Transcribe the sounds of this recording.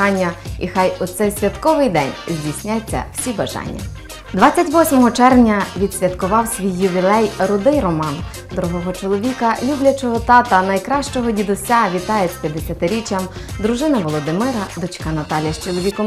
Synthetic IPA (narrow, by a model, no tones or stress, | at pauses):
ɑnʲːɐixɑjʊt̪sɛjsʲʋʲjɐt̪kɔʋɪjd̪ɛnʲzʲdʲisʲnʲat͡sʲːɐ̰w̥sʲibɐʒɑ̰nʲːɐ̰ | d̪ʋɑt͡sʲːɐtʲʋɔsʲmɔɦɔt͡ʃɛrʋnʲɐʋʲid̪sʲʋʲɐt̪kʊʋɑwsʲʋʲijːʊʋʲilˠɛjɾʊd̪ɪjrɔmɑn | d̪ɾʊɦɔɦɔt͡ʃɔlˠɔʋʲikɐlʲublʲɐt͡ʃɔɦɔt̪ɑt̪ɐnɐjkɾɑʃt͡ʃɔɦɔdʲid̪ʊsʲaʋʲit̪ɑjet͡sʲpʲjɐd̪esʲɐt̪ɪɾʲit͡ʃɐmd̪ɾʊʒɪnɐʋɔlˠɔd̪ɪmɪɾɐd̪ɔt͡ʃkɑnɐt̪ɑlʲjɐʃt͡ʃɔlˠɔʋʲikɔm